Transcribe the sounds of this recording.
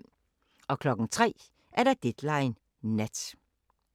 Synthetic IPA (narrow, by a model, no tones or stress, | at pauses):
ɒ̽kʰlɒ̽ɡ̥n̩t͡sʰʁɛ̰ː | ʔæɐɾɑd̥ed̥lɑɪnː | æd̥